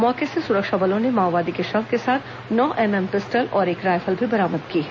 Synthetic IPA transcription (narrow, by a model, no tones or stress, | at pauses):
mɔːkesesʊɾəkʃabɐlõnemaːʋaːd̪ikeʃɐfkesaːt̪ʰ | nɔːʔɛːmɛːmkɪsʈəlɔːɾeːkɾaːjfəlbʱibɐɾaːməd̪kiː